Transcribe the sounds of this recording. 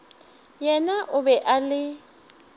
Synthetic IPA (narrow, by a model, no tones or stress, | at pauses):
jɛnaʔʊbɛʔalɪ